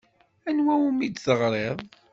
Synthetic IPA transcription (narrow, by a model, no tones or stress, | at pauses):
ænwæwumid̪θəʁɾˤeðˤ